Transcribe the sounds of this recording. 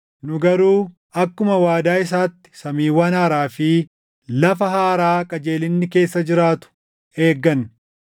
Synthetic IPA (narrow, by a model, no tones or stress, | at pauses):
nʊɡɐɾuː | ɐkːʊmɐwaːd̪aːɪs̬aːt̪ːɪ̥sɐmiːwɐnɐaɾaːfiː | lɐfɐɦaːɾaːkʼɐd͡ʒeːlɪnːɪke̞ːsːɐd͡ʒɪɾaːt̪ʊ̥ | e̞ːɡːɐn